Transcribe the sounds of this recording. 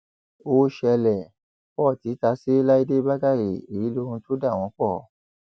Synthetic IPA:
o˧˦ʃɛ˧lɛ˨ | k͡pɔ˦˨ti˨˦ta˧˦se˦la˦i˦de˦ba˦ɡa˦˨ɾe˨i˨i˨˦lo˧˦ɾũ˧to˦da˦˨w̃ɔ̃˨˦k͡pɔ˦˨

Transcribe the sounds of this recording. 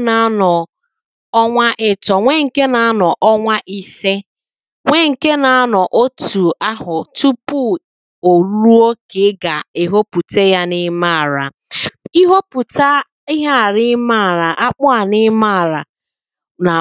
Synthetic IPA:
na˨˦nɔ˨ | ɔ˦ŋʷa˦ʔɪ˦tɔ˨ŋʷe˦ŋ̩˨ke˦na˨˦nɔ˨ʔɔ˦ŋʷa˦ʔi˦se˦ | ŋʷe˦ŋ̩˨ke˦na˨a˦nɔ˨ʔo˦tu˨a˦ɦʊ˨tu˦pu˦˨ | o˨ɾu˦ɾu˦o˦ke˨˦ɡa˨ɪ˦ɦo˦pu˨te˦ja˦nɪ˦ma˦˨ɾa˨ | i˦ɦo˦pu˨ta˦ | i˦ɦa˦˨ɾɪ˦ma˦˨ɾa˨ʔa˦k͡pʊ˦a˨nɪ˦ma˦˨ɾa˨ | na˨

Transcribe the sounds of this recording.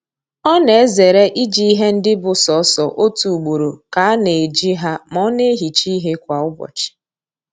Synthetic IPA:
ɔ˦ne˨e˦ze˨ɾe˦ʔi˦d͡ʒi˦i˦ɦe˦n̩˦dɪ˦bʊ˨sɔ˨˦sɔ˨ʔo˦tu˨u˨ɡ͡bo˨ɾo˨ka˨a˦ne˨e˨d͡ʒi˦ɦa˦mɔ˨˦ne˦e˦ɦi˨t͡ʃi˦ɦe˦kʷa˨ʊ˦bɔ̰˨t͡ʃɪ̥˨

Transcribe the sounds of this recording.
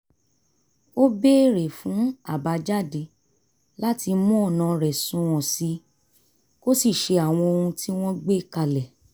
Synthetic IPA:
o˦be˦˨ɾe˨fũ˨˦a˦˨ba˨˧d͡ʒa˦˨de˨˧˦ | la˦ti˧mɔ̃˦ɔ˦˨nã˨ɾɛ˨sũ˧ɔ̃˨si˧˦ | ko˦si˦˨ʃe˧a˨w̃ɔ̃˧o˧hũ˧ti˦w̃ɔ̃˦ɡ͡be˦˨ka˧lɛ˨

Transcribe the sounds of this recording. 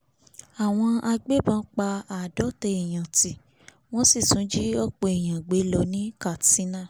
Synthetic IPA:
a˨w̃ɔ̃˧a˧ɡ͡be˦bã˦k͡pa˧a˨dɔ˨˦tɛ˧e˨j̃ã˨ti˨ | w̃ɔ̃˦si˦˨sũ˨˦d͡ʒi˦ɔ˦k͡po˧˨e˨j̃ã˨ɡ͡be˨˦lɔ˧˦nĩ˦ka˨ti˨˦nã˦˨

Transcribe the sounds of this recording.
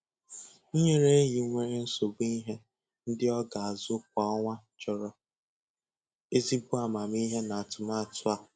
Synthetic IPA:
ɲe˦ɾe˦ɦi˨˦ŋʷe˦ɾe˦n̩˦so˨bi˦ɦe˦ | n̩˦dɪ˦ɔ˦ɡa˨a˨zʊ˦k͡p̚ɔ˨ɔ˦ŋʷa˦t͡ʃɔ˨ɾɔ˨ | e˦zi˦bʊ˦a˨ma˨m˦i˦ɦe˦na˨a˨tʊ˨ma˦a˨tʊ˦a˨

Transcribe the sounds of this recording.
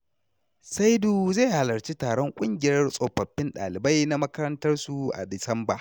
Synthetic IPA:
sa˦jduː˨ze˦˨ha˨lɐ˨ɾt͡ʃi˦taː˨ɽɔ˦ŋkʷʼʊ˦ŋɡʲɪ˨jɐ˦rsʼo˨ɸɐ˨ɸːɪ˦nɗa̰ː˨lɪ˨ba˦jna˦mɐ˦kɐ˦ɾɐ˦ntɐ˦rsu˨ʔa̰˨dɪ˨sɐ˦mba˨

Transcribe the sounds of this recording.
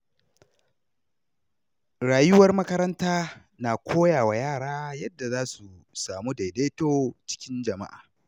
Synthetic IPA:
ɽaː˨jʊ˦wɐ˦rmɐ˦kɐ˦ɾɐ˦ntaː˦ | naː˨kʷʰoː˦jaː˨wa˨jaː˦˨ɽaː˦jɐ˦dːa˨zaː˦su˨ | saː˨mu˦da˨de˦toː˦t͡ʃɪ̥˦kʲɪ˦nd͡ʒɐ˨ma̰˦ʔa̰ː˨

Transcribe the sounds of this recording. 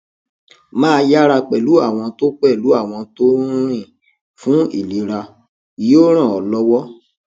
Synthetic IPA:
mãː˦˧ja˦ɾa˧k͡pɛ˨lu˨˦a˦˨w̃ɔ̃˧to˦k͡pɛ˦˨lu˨˦a˦˨w̃ɔ̃˧to˦ɾ̃ĩ˦˨ | fũ˦ḭ˦˨li˨˦ɾa˧ | i˨jo˦ɾ̃ã˦˨ɔ˨lɔ˦wɔ˦

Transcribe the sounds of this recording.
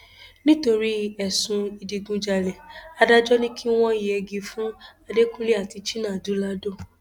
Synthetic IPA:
nĩ˦to˧ɾi˦ɛ˨sũ˧i˨di˨ɡũ˧d͡ʒa˨lɛ˨a˧da˦d͡ʒɔ˦nĩ˦kʰi˦w̃ɔ̃˦i˨ɛ˨˧ɡi˧fũ˦a˧de˦kũ˦li˦a˦˨ti˧t͡ʃi˦nãː˦˨du˨˦la˦do˦˨

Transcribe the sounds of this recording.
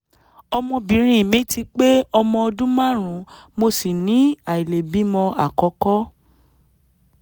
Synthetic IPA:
ɔ˧mɔ̃˧bĩ˨˦ɾ̃ĩ˧˦i˨mĩ˨˦ti˧k͡pe˦ɔ˧mɔ̃˧ɔ˧dũ˦mã˦˨ɾ̃ũ˨˦mo˧si˨nĩ˨˦a˨i˨le˨bi˨˦mɔ̃˧a˦˨kɔ˨˧˦kɔ˦

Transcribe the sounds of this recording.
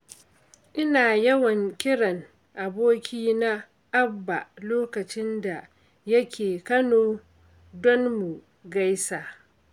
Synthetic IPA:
ʔɪ˦naː˨jɐ˦wɐ˨ŋkʲɪ˦ɽɐ˨ŋ | ʔa˨boː˦kʲiː˦na˦ | ʔa˦bːa˨loː˦kɐ˨t͡ʃɪ˦nda˨ | jɐ˦kʲeː˨kɐ˦noː˨ | dɔ˦nmu˨ | ɡa˦jsaː˨

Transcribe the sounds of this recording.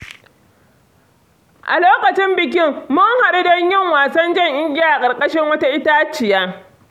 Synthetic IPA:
ʔa̰˨loː˦kɐ˨t͡ʃɪ˦mbɪ˨k̬ʲɪ˦ŋmʊ˦ŋha˨ɗi˦dɐ˦ɲjɪ˦ŋwaː˨sɐ˦nd͡ʒɛ˦˨ŋʔɪ˦ŋɡʲɪ˦jaː˦ʔa˨kʼɐ˨rkʼɐ˦ʃɪ˦ŋwɐ˦ta˦ʔɪ˦taː˦t͡ʃɪ˨jaː˦

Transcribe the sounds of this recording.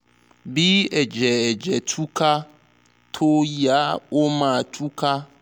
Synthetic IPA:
bi˦ɛ˨d͡ʒɛ˨ɛ˨d͡ʒɛ˨t͡ʃu˦ka˦ | t̪ʰo˦ja˦wʔo˦mã˨t͡ʃʰu˦ka˦

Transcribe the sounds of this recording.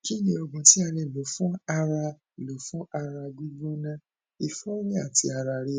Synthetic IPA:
ki˦nĩ˧˦ɔ˧ɡũ˨ti˦a˧lɛ˧˨lo˨˦fũ˦a˧ɾa˧˨ | lo˨˦fũ˦a˧ɾa˧ɡu˦ɡ͡bo˦nã˦ | i˧fɔ˦ɾi˦a˦˨ti˧˦a˧ɾa˧ɾe˦˨

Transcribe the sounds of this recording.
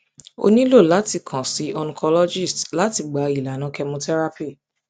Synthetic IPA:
o̰˧nĩ˦lo˦˨la˨˦ti˦˧˨kʰã˨si˨˦ɔ˧nũ˧˦kɔ˧lɔ˦d͡ʒi˦˨stla˨˦ti˦˨ɡ͡ba˨i˨la˨nã˨˦kɛ˧mũ˧tɛ˦ɾa˧pi˦˨

